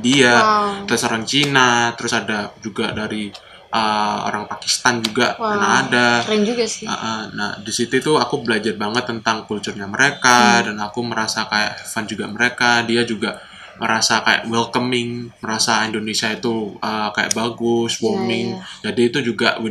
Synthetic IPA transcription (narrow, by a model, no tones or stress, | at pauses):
diat̪əɾʊsoɾaŋt͡ʃinat̪əɾʊsadad͡ʒuɡadaɾi | ʔəo̰ɾaŋpaki̥st̪and͡ʒuɡakənahada | ə̰ʔəna̰hdisit̪uit̪uakubəlad͡ʒarbaŋət̪ːənt̪aŋkult͡ʃʊrɲaməɾekadanakuməɾasakaja̰ʔfand͡ʒuɡaməɾekadiad͡ʒuɡa | məɾasakaja̰ʔwɛlkəmɪŋməɾasaindonesiait̪uəkaja̰ʔbaɡʊswomɪŋd͡ʒadiːt̪ud͡ʒuɡaw